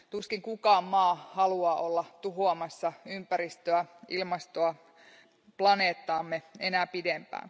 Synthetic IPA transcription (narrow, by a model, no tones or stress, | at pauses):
t̪uskiŋkukɑːmmɑːhɑluɑːʔolːɑt̪uɦoɑmɑsːɑympæɾist̪øæʔilmɑst̪oɑ | plɑneːt̪ːɑːmːeenæːpidempæ̰ːn